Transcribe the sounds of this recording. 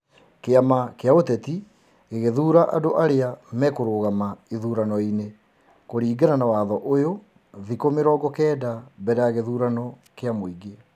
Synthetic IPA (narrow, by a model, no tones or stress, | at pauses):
keamakeaotɛti | ɣeɣeðuːɾaʔadoʔaɾeamɛkoɾoːɣamaiðuːɾanɔine | koɾiːɡananawaːðɔʔojo | ðikomeɾɔːɡɔkɛːdabɛɾɛjaɣeðuːɾanɔ | keamoiɡe